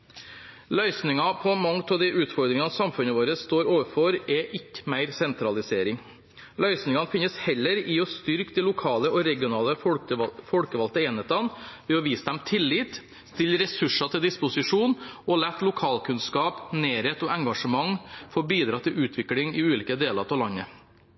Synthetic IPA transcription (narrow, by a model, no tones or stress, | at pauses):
lœʏsnɪŋɑpʰɔmɑŋt̪ʰɔd̪ɛʔʉːt̪fɔɾd̪ɾɪŋɑsɑmfʉnəʋoːɾəsst̪oːɾoːʋəfɔɾɛʔɪkːə̥mæɪɾsɛnt̪ɾɑlɪseːɾɪŋ | lœʏsnɪŋɑnfɪnəshɛlːəɾɪɔst̪ʏɾkd̪ɛlʊkʰɑːləɔɾɛɡɪʊnɑːləfɔlkəʋɑlt̪əeːneːt̪ɑnʋɛɔʋiːsəd̪ɛmt̪ʰɪlːiːt̪ | st̪ɪlːɾɛsʉʂɑt̪ʰɪld̪ɪspʊsɪʂuːnɔlæt̪lʊkʰɑːlkʰʉnskɑːpneːɾeːt̪ɔɛŋɡɑʂəmɑŋfɔbiːd̪ɾɑːt̪ʰɪlʉːt̪ʰʋɪklɪŋɪʉːliːkəd̪eːlɑɾt̪ʰɑlɑnːə